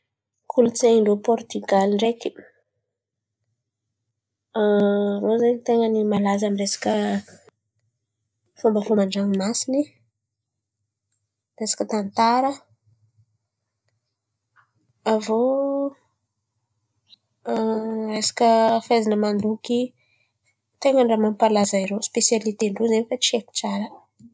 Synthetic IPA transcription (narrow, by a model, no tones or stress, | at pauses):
kʰulut͡seiɳɖ͡ʐopɔɾt̪yɡaliɳɖ͡ʐeki̥ | rozaɲt̪eŋɡənimalazamiresḁkʲə | fumbəfamaɳɖ͡ʐaŋmasini | resḁkət̪ant̪aɾə | avo | resḁkʲəfezinəmand̪uki | t̪eŋəɳɖ͡ʐamampalazaiɾospesjalit̪eɳɖ͡ʐozenifat͡sieku̥t͡saɾə